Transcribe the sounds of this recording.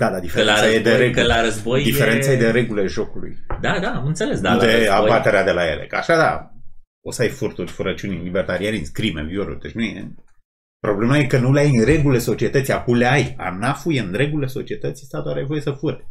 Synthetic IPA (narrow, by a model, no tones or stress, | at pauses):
d̪ad̪ad̪ifeɾeaajed̪eɾeɡklaɾəzbojd̪ifeɾe̞najed̪eɾe̞ɡuleʒo̞kulṵjd̪ad̪amɨnt̪selesd̪ald̪eabat̪e̞ɾead̪e̞laje̞̰lḛkəa̰ʃad̪a̰ | osəajfurt̪urʲfuɾət͡ʃunilibert̪aɾianisʲkɾimḛvioɾṵrd̪et͡ʃnujḛ | pɾo̞ble̞maje̞kənuleajɨɾe̞ɡule̞so̞t͡ʃie̞t̪ət̪sʲjakumle̞aja̰nafujeɨnɾe̞ɡule̞so̞t͡ʃie̞t̪ət̪sʲjst̪at̪oaɾeajvo̞je̞səfuɾe